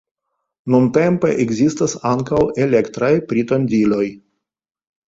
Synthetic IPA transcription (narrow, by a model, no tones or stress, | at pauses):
nunte̞mpe̞̰ʔeɡzistasaŋkawe̞le̞kt̪ɾajpɾitondilo̞j